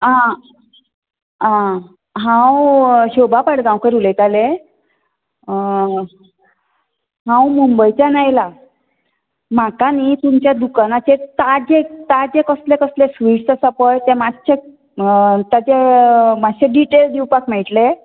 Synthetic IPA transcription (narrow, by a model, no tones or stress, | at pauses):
ã | ã | ɦãwɕobʱapaɽɡãwkəɾulet̪ale | ɦãwmumbəjt͡ɕanajla | makanit̪umt͡ɕjad̪ukanat͡ɕet̪ad͡ʑet̪ad͡ʑekəslekəslesʋiʂt̪əsapəjt̪ẽmaɕe | t̪at͡ɕemaɕeɖiʈeld̪iwpakmɛɭʈle